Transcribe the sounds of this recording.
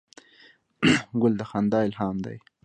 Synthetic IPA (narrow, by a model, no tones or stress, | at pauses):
ɡʊld̪əxand̪ɑːɪlhɑmd̪a̰j